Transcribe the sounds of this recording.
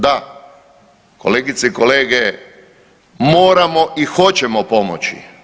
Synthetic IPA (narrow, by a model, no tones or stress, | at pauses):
d̪a | ko̞̰leːɡit̪seiko̞leːɡe | mo̞ːɾamo̞ʔixo̞t͡ɕemopo̞mo̰t͡ɕḭ